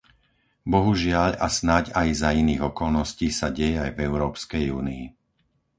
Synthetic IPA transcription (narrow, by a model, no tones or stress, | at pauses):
bɔɦuʒɪaʎasnacajzainiːɣɔkɔlnɔsciːsaɟɛjɛajvɛʊɾɔːpskɛjuːnii